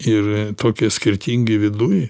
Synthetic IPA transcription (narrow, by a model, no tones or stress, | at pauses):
ɪrt̪oːkʲɪsʲkʲɪɾʲt̪ʲiŋɡɪʋʲɪd̪ʊj